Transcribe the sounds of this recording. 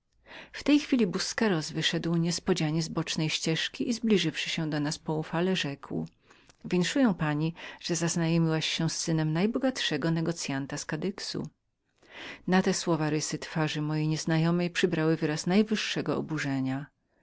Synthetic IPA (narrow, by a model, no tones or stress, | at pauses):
ft̪ɛjxfʲilʲibuskɛɾɔzvɘʂɛd̪wɲɛspɔd͡ʑaɲɛzbɔt͡ʂnɛjɕt͡ɕɛʂkʲiʔizblʲiʐɘfʂɘ̥ɕɛ̃d̪ɔnaspɔufalɛʐɛkw | vʲjeŋkʂujɛ̃w̃paɲiʐ̥ɛzaznajɔmʲiwaɕːɛ̃sːɘnɛmnajbɔɡat̪ʂɛɡɔnɛɡɔt̪sʲjant̪askad̪ɘksṵ | nat̪ɛswɔvaɾɘsɘt̪faʐɘmɔjeɲɛznajɔmɛjpʂɘbɾawɘvɘɾasnajvɘʂːɛɡɔɔbuʐɛɲa